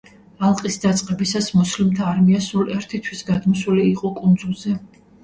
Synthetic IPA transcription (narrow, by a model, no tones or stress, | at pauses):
alˠqʼisd̪at̪sʼqʼɛbisasmuslimt̪ʰaːɾmiasulɛɾt̪ʰit̪ʰwisɡad̪mɔsuliːqʼɔkʼund̪zulˠzɛ